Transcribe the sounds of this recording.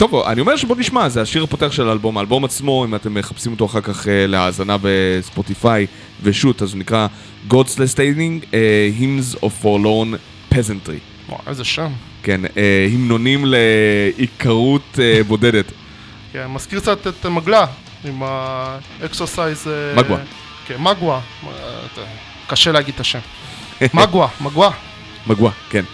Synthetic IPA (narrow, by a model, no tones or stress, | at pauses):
to̞va̰nio̞meʃeboniʃmazeaʃiʁhapoteaχʃelaalbo̞maːlbo̞mat͡smo̞imate̞mːe̞χapsimoto̞aχaʁkaχeleaːzanave̞spotifaj | veʃutazonikʁa | ɡodslestejniŋeɦimzovfoʁlon | pezentʁḭ | wo̰ḛzeʃam | ke̞nehimno̞nimleikʰaʁutebo̞dedet | kenmaskiʁkt͡sat̪etmaɡla | ima | eksosajzemawa | kemaɡwa | kaʃeleaɡid̪̚taʃem | maɡwamaɡwa | maɡwaken